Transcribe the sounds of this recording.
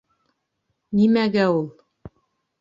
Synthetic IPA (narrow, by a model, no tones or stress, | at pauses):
nimæɡæulˠ